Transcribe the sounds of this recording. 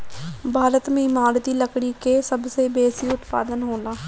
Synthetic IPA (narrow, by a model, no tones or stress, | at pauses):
bʱaːɾət̪mẽɪmaːɾd̪iːləkɽikesəbseːbeːsiʊt̪pa̰ːd̪ənɦoːnaː